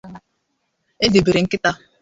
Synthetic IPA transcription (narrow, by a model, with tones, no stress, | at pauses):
e˦zi˨be˨ɾe˨ŋ̩˦kɪ˦ta˦